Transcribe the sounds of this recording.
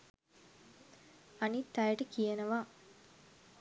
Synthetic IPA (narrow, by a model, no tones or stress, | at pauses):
anit̪ːɐjəʈəkijenəʋa